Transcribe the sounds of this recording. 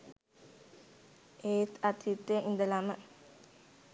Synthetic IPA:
eːt̪at̪ʰit̪ːeʔind̪əlamə

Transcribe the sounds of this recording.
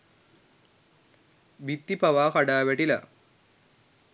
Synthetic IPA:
ʋit̪ːipaʋaːkaɖaːʋæʈila̰

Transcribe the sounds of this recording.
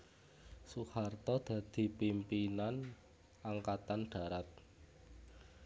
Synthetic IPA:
suhart̪ɔd̪̥a̤d̪̥i̤pimpinan | aŋkat̪anɖ̥a̤ɾat̪̚

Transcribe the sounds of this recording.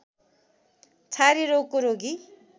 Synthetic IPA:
t͡sʰaɾiɾokːoɾoɡi

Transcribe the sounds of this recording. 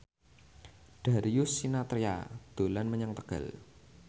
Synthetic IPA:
ɖ̥a̤ɾijʊsːinat̪ɾia̰d̪̥o̤lanməɲaŋt̪əɡ̥ə̰l

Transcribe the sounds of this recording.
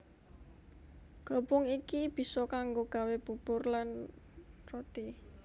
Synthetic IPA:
ɡ̥ɔ̤pɔŋikib̥i̤sɔkaŋɡoɡ̥a̤web̥ṳb̥ʊrlan | rot̪i

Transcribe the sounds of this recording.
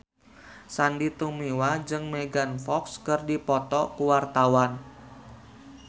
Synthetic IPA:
sandit̪umiwad͡ʒɨŋmeɡanfɔkskɨrdipɔt̪ɔkuwart̪awan

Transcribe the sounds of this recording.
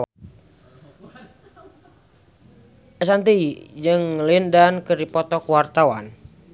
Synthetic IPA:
ɛsant̪iid͡ʒɨŋlindankərdipɔt̪ɔkuwart̪awa̰n

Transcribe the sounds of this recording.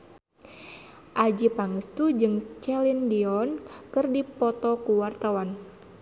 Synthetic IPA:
ʔad͡ʒipaŋəst̪ud͡ʒɨŋt͡ʃɛlindiɔnkɨrdipɔt̪ɔkuwart̪awan

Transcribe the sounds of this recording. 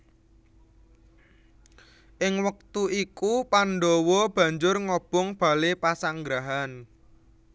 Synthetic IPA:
ʔɪŋwək̚t̪uʔikupanɖowɔb̥ä̤ɲd͡ʒʊrŋɔb̥ɔŋb̥a̤lepasaŋɡɾaɦan

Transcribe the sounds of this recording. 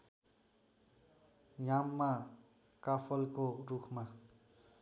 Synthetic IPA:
jamːa | kapʰʌlkorukʰma

